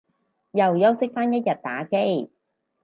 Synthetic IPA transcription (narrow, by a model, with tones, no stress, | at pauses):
jɐ˨˩wjɐ˥wsɪ˥k̚faː˥njɐ˥t̚jɐ˨t̚t̪aː˨˥ke˥j